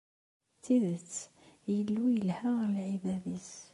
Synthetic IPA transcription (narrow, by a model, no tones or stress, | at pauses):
t̪ːiðət͡sː | jəlːujəlhalʕibæðis